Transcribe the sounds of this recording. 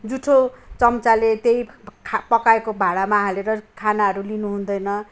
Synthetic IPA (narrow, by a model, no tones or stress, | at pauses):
d͡zuʈʰot͡sʌmt͡salet̪ejʰpʌkaekobʱaɽamaɦaleɾʌkʰanaɦʌɾulinuɦund̪ʌjnʌ